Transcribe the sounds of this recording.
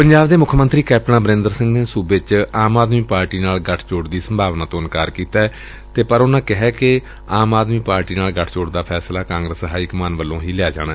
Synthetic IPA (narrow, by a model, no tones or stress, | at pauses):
pəɲd͡ʒaːbd̪eːmʊkʰmənt̪ɾiːkɛːp̚nãːbəɾɪ̃nd̪əɾsɪ̃ŋɡneːsuːbɪt͡ʃaːmaːd̪miːpaːɾʈiːnaːlɡəʈʰt͡ʃoːɽd̪iːsəmbʱaːʋnãːt̪õːənkaːɾkiːt̪aːɛː | t̪eːpəɾʊnãːkɪɦɛːkɪ | aːmaːd̪miːpaːɾʈiːnaːlɡəʈʰt͡ʃoːɽd̪aːpʰɛːslaːkãːŋɡɾəsɦaːiːkmaːnʋəlːõːɦiːlɪaːd͡ʒa̰ːɽ̃aːɛ